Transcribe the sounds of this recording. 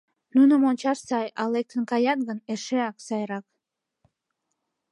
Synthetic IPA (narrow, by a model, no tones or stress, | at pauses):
nunəmonʲt͡ɕɑʃsɑjɑlek̚t̪ənkɑjɑnɡəneʃeɑksɑjɾɑk̚